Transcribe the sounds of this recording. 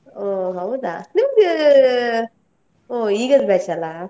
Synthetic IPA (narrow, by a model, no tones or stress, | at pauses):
oɦɐwd̪a̰niməɡ | oːiːɡɐd̪bet͡ʃɐla